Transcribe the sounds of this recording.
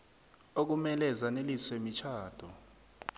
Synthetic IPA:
ok̬umɛlɛzaneliswemit͡ʃʰaːd̥ʱɔ

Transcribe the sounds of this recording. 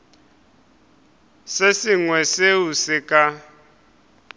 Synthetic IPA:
sesiŋwɛseusɪkʼa

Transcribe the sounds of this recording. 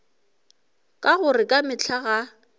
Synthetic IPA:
kʼaɣʊrɪkʼamɪt͡ɬʰaɣa

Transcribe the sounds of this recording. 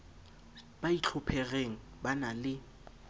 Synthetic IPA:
b̥ait͡ɬʰʊpʰɛɣeŋ̩ | banalɪ

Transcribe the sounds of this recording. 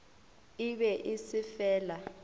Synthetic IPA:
iɓɛʔisifɛːla

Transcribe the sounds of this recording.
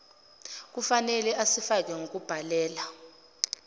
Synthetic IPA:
k̬ufanɛlɛasifak̬ʼɛŋok̬ʼub̥ʱalɛːla

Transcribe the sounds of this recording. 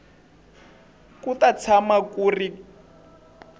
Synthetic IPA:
kutat͡sʰamakuri

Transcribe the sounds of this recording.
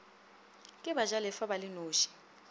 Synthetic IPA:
kʼɪbaʒalɛfabalɪnoːʃi̥

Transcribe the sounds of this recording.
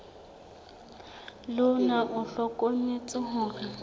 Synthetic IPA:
lʊnaʔʊɬɔkʼoŋ̩et͡sʼɪɦʊːra

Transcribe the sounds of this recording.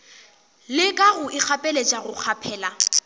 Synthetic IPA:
lɪkʼaɣʊʔɪk͡xʰapʼɛlet͡ʃʼaɣʊk͡xʰapʰɛːla

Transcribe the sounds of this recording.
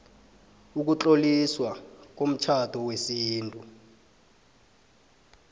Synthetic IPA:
uk̬ut͡ɬʼoliswak̬om̩t͡ʃʰatʰɔwesiːntʼu

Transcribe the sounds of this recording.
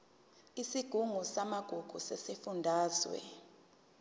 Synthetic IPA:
isiɡ̥ʱuŋusamaɡ̥ʱuɡ̥ʱusɛsifundʱaːzwɛ̰

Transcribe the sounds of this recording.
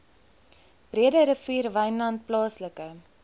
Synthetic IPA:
b̥riədəɾəfiːrvɐjnlɐnt̚plɑːsləkə

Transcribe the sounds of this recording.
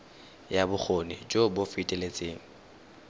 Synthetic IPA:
jabʊk͡xʰonɪd͡ʒobofitʼelet͡sʼeːŋ̩

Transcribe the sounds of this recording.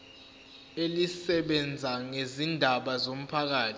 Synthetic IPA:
elisɛɓɛnd͡zʱaŋezindʱaɓazom̩pʰak̬aːtʰ

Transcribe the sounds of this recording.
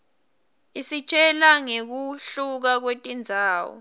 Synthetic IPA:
isit͡ʃʼɛlaŋek̬uɬuk̬ak̬wetʼind͡zʱaːwɔ̰

